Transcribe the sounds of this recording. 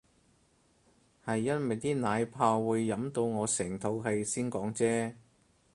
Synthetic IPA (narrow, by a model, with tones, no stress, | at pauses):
hɐ˨jːɐ˥twɐ˨jt̪iː˥naː˨˧jpʰaː˧wuː˨˧jːɐ˨˥mt̪o˧wŋɔː˨˧sɛː˨˩ŋt̪ʰo˨˧wɦɐ˨jsiː˥nkɔː˨˥ŋt͡sɛː˥